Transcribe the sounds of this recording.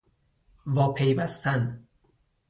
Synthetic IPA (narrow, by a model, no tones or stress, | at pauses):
vɒːpʰejvæst̪ʰæn